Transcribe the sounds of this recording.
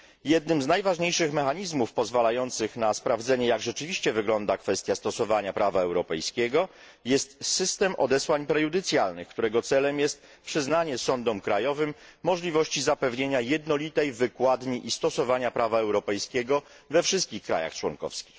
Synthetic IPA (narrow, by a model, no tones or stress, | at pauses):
jɛd̪̚nɘmznajvaʐɲejʂɘxmɛxaɲizmufpɔzvalajɔnt̪sɘxnaspɾavd̪zɛɲɛjaɡʐɛt͡ʂɘvʲiɕt͡ɕɛvɘɡlɔnd̪akfɛst̪jast̪ɔsɔvaɲapɾavaɛwɾɔpɛjskʲɛɡɔ | jɛst̪sɘst̪ɛmʔɔ̰d̪ɛswaɲpɾɛjud̪ɘt̪sʲjalnɘ̰xkt̪uɾɛɡɔt̪sɛlɛmjɛst̪ | pʂɘznaɲɛsɔnd̪ɔmkɾajɔvɘmːɔʐlʲivɔɕt͡ɕizapɛvɲeɲajɛd̪nɔlʲit̪ɛjvɘkwad̪ɲiʔist̪ɔsɔvaɲapɾavaɛwɾɔpɛjskʲeɡɔ | vɛfʂɘst̪̚kʲixkɾa̰ja̰xt͡ʂwɔ̰ŋkɔ̰fskʲi̥x